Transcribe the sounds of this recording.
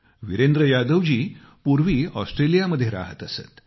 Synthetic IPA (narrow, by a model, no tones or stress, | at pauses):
ʋiɾend̪ɾəjad̪əʋd͡ʑiː | puɾʋiːɔsʈɾelijaməd̪ʱːjeɾa̰ɦə̰t̪əsḛt̪